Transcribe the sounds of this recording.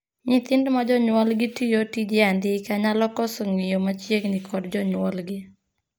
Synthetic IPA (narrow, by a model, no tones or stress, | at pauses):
ɲɪt̪ɪndmad͡ʒɔɲwɔlɡɪtijotid͡ʒɪandɪkaɲalɔkɔsɔŋɪjomat͡ʃjeŋnikʰɔdd͡ʒɔɲwɔlɡɪ